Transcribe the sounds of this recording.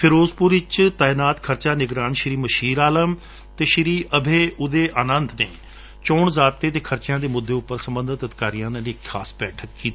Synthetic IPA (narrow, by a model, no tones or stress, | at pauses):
pʰɪɾoːzpʊːɾɪt͡ʃt̪aːɪnaːt̪kʰəɾt͡ʃaːnɪɡɾaːnʃɪɾiːməʃiːɾaːləm | t̪eːʃɪɾiːʔəbʱeːʊd̪eːʔaːnənt̪neː | t͡ʃɔːɳzaːt̪ːeːt̪eːkʰəɾt͡ʃɪjãːd̪eːmʊd̪ːeːʊpːəɾsəmbənd̪ət̪əd̪ɪkaːɾijãːnːlekkʰa̰ːsbɛːʈʰək̚kiːt̪aː